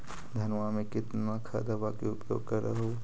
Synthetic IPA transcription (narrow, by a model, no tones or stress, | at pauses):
d̪ʱɐnʋamẽkɪt̪nakʰa̰d̪əbakeʊpjo̰ːɡ̚kəɾə̰ɦoː